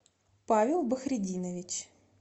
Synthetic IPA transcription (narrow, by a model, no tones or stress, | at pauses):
pavʲɪlˠbəxɾʲɪdʲinɐvʲɪt͡ɕ